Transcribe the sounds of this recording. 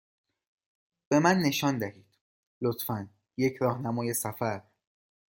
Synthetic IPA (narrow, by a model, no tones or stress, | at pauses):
b̥e̞mænːe̞ʃɒːnd̪æhiːd̪̥ | lot̪fæn | je̞cʰɾɒːhnæmɒːje̞sæfæɾ